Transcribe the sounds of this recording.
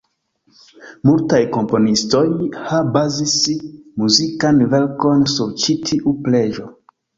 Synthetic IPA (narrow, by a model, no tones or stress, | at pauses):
multajko̞mpo̞nisto̞jhabazismuzikanve̞ɾko̞nsuɾt͡ʃitʰiʔuple̞d͡ʒo̞